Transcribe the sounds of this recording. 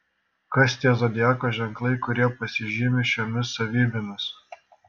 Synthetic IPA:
kɐsʲt̪ʲiɛzɔd̪ʲɪjæːkoːʒʲɛŋklˠɐɪkʊɾʲiɛpɐsʲɪʒʲiːmʲɪʃʲomʲɪsɐʋʲiːbʲɪmʲɪs

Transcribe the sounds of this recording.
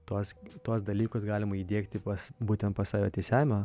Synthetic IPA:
t̪oːst̪uɔs̬d̪ɐlʲiːkosɡɑːlʲɪmɐiːd̪ʲeːkt̪ʲɪpɐsbuːt̪ʲɛnt̪pɐsɑːʋʲjoːt̪ʲeːsʲæːmʲoː

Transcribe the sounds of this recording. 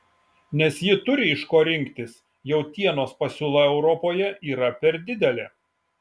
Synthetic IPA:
nʲɛsjɪt̪ʊɾʲɪɪʃkoːɾʲɪŋʲkt̪ʲɪs | jɛʊt̪ʲiɛnoːspɐsʲuːlˠɐɛʊɾɔpoːjɛiːɾɐpʲɛɾd̪ʲɪd̪ʲɛlʲeː

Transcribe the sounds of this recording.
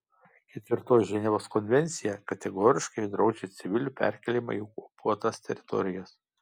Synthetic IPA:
kʲɛt̪ʲʋʲɪɾt̪oːsʒʲɛnʲɛʋoːskɔnʲʋʲɛnʲt̪sʲɪjɛkɐt̪ʲɛɡoːɾʲɪʃkɐɪd̪ɾɒʊd͡ʒʲet̪sʲɪʋʲɪlʲuːpʲæ̰ˑɾʲkʲɛlʲiːmɐ̰ikuɔpuɔt̪ɐst̪ʲɛɾʲɪt̪ɔ̰ɾʲɪjɛs

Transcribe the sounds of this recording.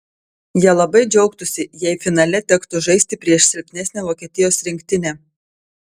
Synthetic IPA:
jiɛlˠɐbɐɪd͡ʒʲɛʊkt̪ʊsʲɪjɛɪfʲɪnɐlʲɛt̪ʲɛkt̪ʊʒɐɪsʲt̪ʲɪpʲɾʲiɛʃsʲɪlʲpʲnʲɛsʲnʲeːʋoːkʲiɛt̪ʲɪjoːsɾʲɪŋʲkʲt̪ʲɪnʲɛː

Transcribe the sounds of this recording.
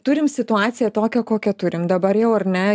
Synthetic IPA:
t̪ʊɾʲɪmsʲɪt̪ʊɑːt̪sʲɪjɛt̪oːkʲɛkoːkʲɛt̪ʊɾʲɪmd̪ɐbɐɾjɛʊɐrnʲɛ

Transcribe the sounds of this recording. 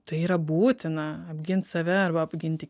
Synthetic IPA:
t̪ɐɪiːɾɐbuːt̪ʲɪnɐɐbʲɡʲɪnt̪sɐʋʲɛɐrbɐɐbʲɡʲɪnʲt̪ʲɪ

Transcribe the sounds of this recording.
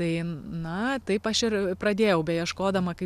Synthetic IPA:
t̪ɐɪnɐt̪ɐɪpɐʃɪɾprɐd̪ʲeːjɛʊbʲɛjiɛʃkoːd̪ɐmɐkɐɪ

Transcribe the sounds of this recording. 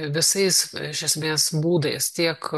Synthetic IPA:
ʋʲɪsɐɪsɪʃʲɛsʲmʲeːsbuːd̪ɐɪst̪ʲiɛk

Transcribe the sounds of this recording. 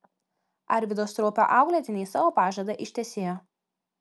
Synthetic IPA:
ɐ̰ɾʲʋʲɪd̪oːst̪ɾoːpʲo̰ʔɑˑʊɡlʲɛːt̪ʲɪnʲeɪsɑːʋoːpɑːʒʲɐd̪ɐʔɪʃʲt̪ʲɛsʲeːjoː

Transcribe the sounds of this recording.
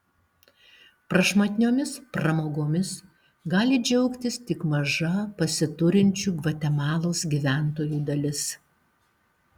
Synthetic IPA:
pɾɐʃmɐt̪ʲɪnʲoːmʲɪspɾɐmoːɡoːmʲɪs | ɡɑːlʲɪd͡ʒʲɛʊkt̪ʲɪst̪ʲɪkmɐʒɐpɐsʲɪt̪ʊɾʲɪnʲt͡ʃʲuːɡʋɐt̪ʲɛmɑːlˠoːsɡʲiʋʲæˑnt̪oːjuːd̪ɐlʲɪs

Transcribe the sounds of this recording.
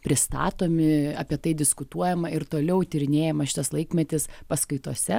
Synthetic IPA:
pʲɾʲɪst̪ɑ̰ːt̪oːmʲɪɑ̰ːpʲiɛt̪ɐɪd̪ʲɪskʊt̪uɔjɛmɐɪɾt̪oːlʲɛʊt̪ʲɪɾʲɪnʲeːjɛmɐʃʲɪt̪ɐslˠɐɪkmʲɛt̪ʲɪspɐskɐɪt̪uɔsʲɛ

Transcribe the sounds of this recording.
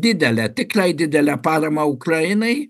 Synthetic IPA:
d̪ʲɪd̪ʲɛlʲɛt̪ʲɪklɐɪd̪ʲɪd̪ʲɛlʲɛpɑːɾɐmɐʊkrɐjɪnɐɪ

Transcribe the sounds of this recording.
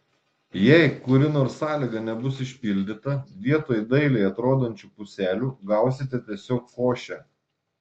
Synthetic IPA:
jɛɪkʊɾʲɪnoːɾsːɑːlʲiːɡɐnʲɛbʊsɪʃʲpʲɪlʲd̪ʲɪt̪ɐʋʲiɛt̪oːjd̪ɐɪlʲɛɪɐt̪ɾoːd̪onʲt͡ʃʲupʊsʲæːlʲuːɡɐʊsʲɪt̪ʲɛt̪ʲiɛsʲoːkkoːʃʲɛ

